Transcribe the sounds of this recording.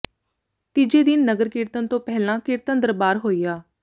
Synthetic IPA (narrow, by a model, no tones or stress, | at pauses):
t̪id͡ʒeːd̪ɪnːəɡəɾkɪɾt̪ənt̪õːpɛɦlãːkɪɾt̪ənd̪əɾbaːɾɦoːiːaː